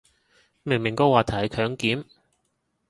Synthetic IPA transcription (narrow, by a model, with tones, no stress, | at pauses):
mɪ˨˩ŋmɪ˨˩ŋkɔː˧waː˨t̪ʰɐ˨˩˥kʰœː˨˥ŋkiː˨˥m